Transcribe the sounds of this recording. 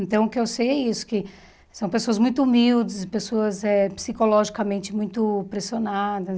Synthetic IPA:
ẽnt̪ɐ̃w̃ʊkɪewsejɛisʊ̥kɪ | sɐ̃w̃pesoɐzmũj̃t̪ʊumiwd͡ʒɪspesoɐzɛpsikolɔʒikɐmẽnt͡ʃɪmũj̃t̪ʊpɾesionad̪ɐ

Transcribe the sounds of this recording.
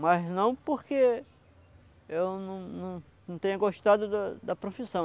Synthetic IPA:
mɐznɐ̃w̃poɾke | ewnɐ̃w̃nɐ̃w̃nɐ̃w̃t̪ẽɲɐɡoʃt̪ad̪ʊd̪ɐd̪ɐpɾofisɐ̃w̃

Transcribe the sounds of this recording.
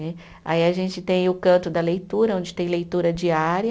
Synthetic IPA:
ɛ | a̰iɐʒẽnt͡ʃɪt̪ẽj̃ʊkɐ̃nt̪ʊd̪ɐlejt̪uɾɐõd͡ʒɪ̥t̪ẽj̃lejt̪uɾɐd͡ʒiaɾɐ

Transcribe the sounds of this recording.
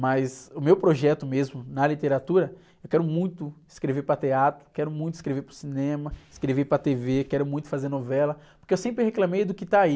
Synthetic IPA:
mɐzʊmewpɾoʒɛt̪ʊmezmʊnɐlit̪eɾat̪uɾɐ | ewkɛɾʊmũj̃t̪ʊɪskɾevepɾɐt̪eat̪ɾʊ̥kɛɾʊmũj̃t̪ʊiskɾeveɾpɾʊsinẽmɐɪskɾevepɾɐt̪evekɛɾʊmũj̃t̪ʊ̥fazeɾnovɛlɐpʊɾkeewsẽmpɾɪheklãmejd̪ʊkɪt̪aai

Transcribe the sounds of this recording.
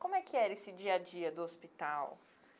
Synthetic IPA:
kõmʊɛkʰɪɛɾesɪd͡ʒiɐd͡ʒiɐd̪ʊospit̪aw

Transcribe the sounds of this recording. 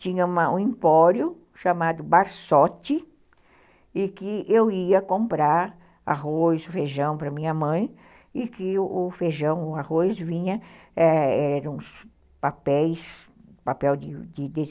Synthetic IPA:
t͡ʃĩɲɐũmɐũĩmpɔɾjʊ | ʃamad̪ʊbaɾsɔt͡ʃɪ | ɪkɪʔewiɐkõmpɾaɾ | a̰ɦojsʊfeʒɐ̃w̃pɾɐmĩɲɐmɐ̃j̃ | ɪkɪʔʊfeʒɐ̃w̃ahojsvĩɲɐɛɛɛɾɐ̃ũs | papɛjs | papɛwd̪ɪd̪ɪd̪ez

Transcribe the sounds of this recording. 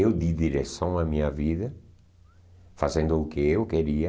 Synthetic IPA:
ewd̪iðiɾesɐ̃w̃ɐmĩɲɐviðɐ | fazẽnd̪ʊːkɪewkeɾiɐ

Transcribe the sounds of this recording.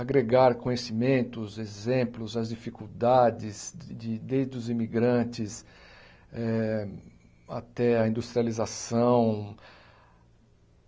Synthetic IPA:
aɡɾeɡaɾkõɲesimẽnt̪ʊzezẽplʊzɐzd͡ʒifikuwd̪ad͡ʒɪzd͡ʒɪd̪ejzd̪ʊzĩmiɡɾɐ̃nt͡ʃɪs | ɛ | a̰t̪ɛɐĩnd̪ust̪ɾializasɐ̃w̃

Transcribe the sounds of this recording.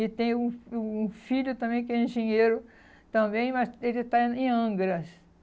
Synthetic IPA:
ɪt̪ẽj̃ũuũfiʎʊt̪ɐ̃bẽj̃kɪɛẽʒẽɲeɾʊ | t̪ɐ̃bẽj̃mɐselt̪ãẽɐ̃ɡɾɐs

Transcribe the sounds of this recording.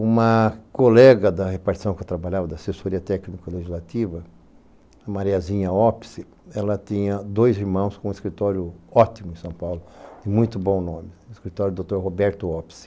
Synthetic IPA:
ũmɐkolɛɡɐd̪ɐhepaɾtt͡ʃi̥sɐ̃w̃kewt̪ɾabaʎavɐd̪ɐsesoɾiɐt̪ɛknikɐileʒizlat̪ivɐ | ɐmaɾiɐzĩɲɐɔpsɪ | ɛlɐt̪ĩɲɐd̪ojziɾmɐ̃w̃skõũiskɾit̪ɔɾjʊɔt̪imʊẽsɐ̃w̃pawlʊd̪ɪmũj̃t̪ʊbõw̃nõmɪiskɾit̪ɔɾʊd̪ot̪oɾɦobɛɾt̪ʊɔps

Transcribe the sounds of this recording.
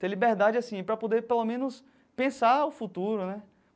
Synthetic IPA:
t̪ẽlibeɾd̪ad͡ʒɪasĩpɾɐpod̪epelomẽnʊs | pẽsaʊfut̪uɾʊnɛ

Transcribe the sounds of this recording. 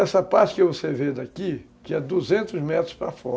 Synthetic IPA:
ɛsɐpaɾt͡ʃɪ̥kɪvoseved̪aki | kɪɛd̪uzẽnt̪ʊzmɛt̪ɾʊspɾafɔ

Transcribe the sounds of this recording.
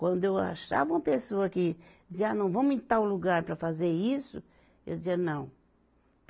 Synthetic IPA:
kwɐ̃nd̪ʊewa̰ʃa̰vɐũmɐpesoɐkɪd͡ʒɪzianɐ̃w̃vɐ̃mʊĩt̪aɾʊluɡaɾpɾɐfazeɾisʊ | ḛwd͡ʒiɐnɐ̃w̃

